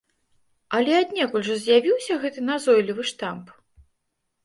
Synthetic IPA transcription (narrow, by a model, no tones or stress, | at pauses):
ɐlʲɛad̪ʲnʲɛkulʲʐɐzʲjavʲiwsʲɐɣɛt̪ɨnazɔjlʲivɨʂt̪amp